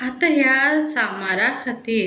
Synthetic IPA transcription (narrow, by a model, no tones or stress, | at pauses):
ɐt̪ɐjaɾsamaɾakʰɐt̪i